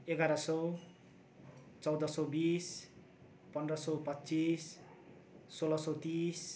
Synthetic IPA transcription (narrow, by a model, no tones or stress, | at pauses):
eɡaɾʌsʌw | t͡sʌwd̪ʌsʌwbis | pʌnrʌsʌwpʌtːt͡sisː | olʌsʌwt̪is